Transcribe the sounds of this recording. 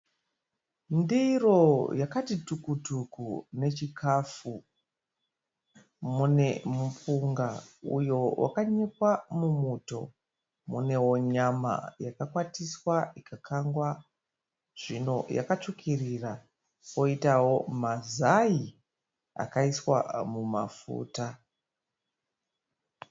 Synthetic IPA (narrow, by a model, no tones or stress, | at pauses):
ndiro̞jakatitukutukune̞t͡ʃikʰafu | mune̞mupuŋɡaṵjo̞wʔa̰kaɲe̞kwamumuto̞̰ | mune̞wo̞ɲama̰jakakwatiswaikʰakʰaŋɡwa | ʐ̥ino̞̰ja̰kat͡ʂukʰirira | ko̞itawo̞mazaji | a̰kaiswa̰muma̰fṵːta